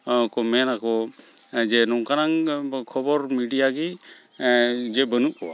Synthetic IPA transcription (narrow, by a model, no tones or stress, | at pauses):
kɔmɛnakɔ | d͡ʒɛnɔŋkanaŋkʰɔbɔɾmiɖijaɡi | d͡ʒɛbənuʔkɔwa